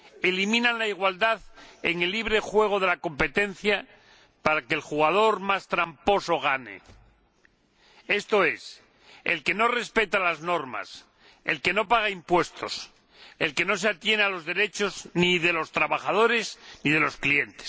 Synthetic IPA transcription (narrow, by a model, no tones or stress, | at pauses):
elimĩnanlaiɣ̞wald̪aðḛŋelːiβ̞ɾe̞xwe̞ɣ̞o̞ð̞e̞lako̞mpe̞t̪e̞nθja | paɾakeːlxuɣað̞o̞ɾmast̪ɾampo̞so̞ɣ̞anḛ | e̞st̪o̞e̞s | ḛlke̞no̞re̞spe̞t̪alazno̞ɾma̰s | e̞lke̞no̞paɣ̞aimpwe̞st̪o̞̰s | elke̞no̞s̬eat̪je̞nealozðe̞ɾe̞t͡ʃo̞zniðe̞lo̞st̪ɾaβaχað̞o̞ɾe̞zniðe̞lo̞sklie̞nt̪e̥s